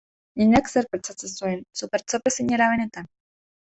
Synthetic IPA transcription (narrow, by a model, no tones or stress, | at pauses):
iɲakseɾpeɾt͡sat͡sesuensupeɾt͡sopesiɲeɾaβene̞t̪an